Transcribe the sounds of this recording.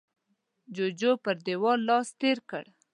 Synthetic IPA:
d͡ʒod͡ʒopəɾd̪ewɑllɑst̪eɾkə̰ɽ

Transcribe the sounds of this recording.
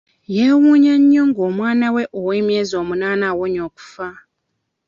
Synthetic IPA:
jeːwuːɲaɲːoŋɡoːmwaːnaweʔoweːmjeːzo̞ːmunaːnawoɲo̞ːku̥fa

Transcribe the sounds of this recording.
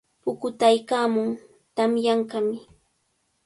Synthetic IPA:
pʊkʊt̪ajkaːmʊŋ | t̪amjaɴkɑmɪ

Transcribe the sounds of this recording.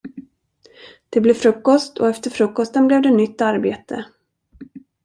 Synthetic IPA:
d̪̥ɛblɛvfɾɵkːɔst̪ʰɔ̰ɛft̪əɾfɾɵkːɔst̪ənblɛvd̪ɛnʏt̪ːaɾbeːt̪ʰə

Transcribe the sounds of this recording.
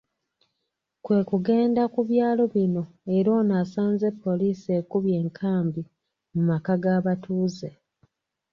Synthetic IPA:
kwe̞ːkuɡe̞ːndakuβjaːlo̞βino̞ | e̞ɾo̞ːnasaːnze̞pːo̞liːsie̞kuβje̞ːŋkʰaːmbi | mumakaɡaːβatuːze̞

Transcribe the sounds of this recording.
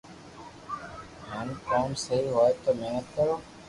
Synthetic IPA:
ɦənkoːmsəɦiːɦoːet̪oːmeːnət̪̚kəɾoː

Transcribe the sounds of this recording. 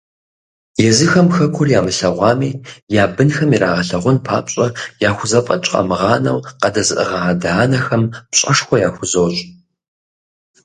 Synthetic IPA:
jɛzɨxɐmxɐkʷʰʊrjaːmɨɬɐʁʷɑːmiːjaːbɨnxɐmiɾaːʁɐɬɐʁʷʊnpʰa̰ːpɕʼɐjaːxʷʊzɐpʼɐt͡ʃʼqʼɐ̰mɨʁɑːnɐ̰wqɐdɐzɨʔə̰ʁɐadaːnɐxɐmpɕʼɐʂxʷɔjaːxʷʊzowɕʼ

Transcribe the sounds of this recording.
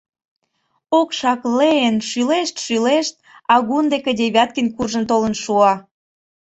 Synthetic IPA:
okʃɑkleenʃyleʃt̪ʃyleʃt̪̚ | ɑɣund̪eked̪ʲeβʲɑt̪̚kinkurʒə̆nt̪olə̆nʃuɑ

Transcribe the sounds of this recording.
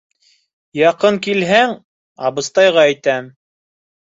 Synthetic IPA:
jɑqɤŋkilɦæŋ | ɑ̰bɤ̆st̪ɑjʁɑæjt̪æm

